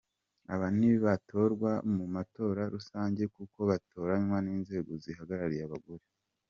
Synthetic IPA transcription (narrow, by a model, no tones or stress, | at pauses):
a̰βan̥iβiβatʰo̞ɾɡwamumato̞ːɾaɾusaːɲɟe̞kuko̞βato̞ːɾaɲwaniːnze̞ːɡo̞zihaɡaɾaɾijaβaɡoɾe